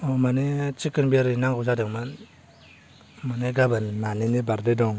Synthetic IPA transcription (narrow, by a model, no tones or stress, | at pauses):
ɔmanit͡ʃikɯnbiaɾɯnaŋɡuzadeŋman | maniɡabannaninibaɾdedɔŋ